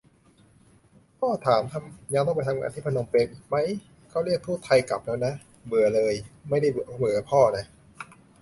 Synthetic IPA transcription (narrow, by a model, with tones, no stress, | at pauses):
pʰɔː˥˩t̪ʰaː˩˦mt̪ʰa˧mɲaː˧nt̪ʰɔ˥˩pa˧jt̪ʰa˧mŋa̰ː˧t̪ʰiː˥˩pʰa˧no˧ŋpeː˧mʔiː˨˩k̚ma˦˥j | kʰa˥˩wɾi˥˩ək̚t̪ʰuː˥˩t̪ʰa˧jka̰˨˩p̚lɛː˦˥wna˦˥ | bɯ˨˩˦ɐlɤː˧jma˥˩jda˥˩bmɯ˩˦˩pʰɔː˥˩na˦˥ʔ